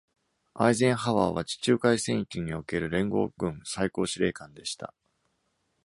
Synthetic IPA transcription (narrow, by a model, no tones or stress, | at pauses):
a̰izẽ̞ɰ̃haβaːβat͡ɕi̥t͡ɕɨːkaisẽ̞ɰ̃ikʲɯɲ̟io̞ke̞ɾɯ̟ɾẽ̞ŋɡo̞̰ːɡɯ̟̃ɴ̃saiko̞ːɕiɾe̞̰ːkãnd̪e̞ɕi̥t̪a̰